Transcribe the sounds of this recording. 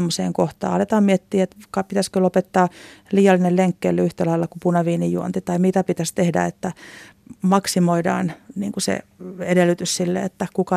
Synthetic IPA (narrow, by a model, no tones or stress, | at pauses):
mːosḛːŋkoht̪ɑ̰ːɑlet̪ɑːmmiet̪ːiːet̪kɑpit̪æskølopet̪ːɑːliːjɑlːinelleŋkːḛːlːeyht̪ælɑilːɑkupunɑʋiːnijjuont̪it̪ɑimit̪æpit̪æst̪ehdæ̰et̪ːæ | mɑksimoidɑ̰ːnnḭːŋkusḛedelːˑyt̪yssilːḛḛt̪ːækukɑ